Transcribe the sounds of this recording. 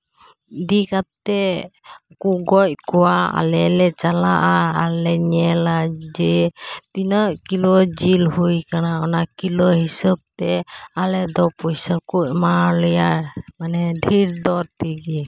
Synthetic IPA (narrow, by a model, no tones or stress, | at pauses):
d̪ikat̪ɛ | kuɡɔc̚kɔwaa̰lɛlɛt͡ʃalaʔaalɛɲɛlad͡ʒɛt̪inəʔkilɔd͡ʒilhujkanaɔnakilɔhisəb̚t̪ɛalɛd̪ɔpɔjsəkuʔ̚maləjamanɛɖʱiɾd̪ɔɾt̪iɡɛ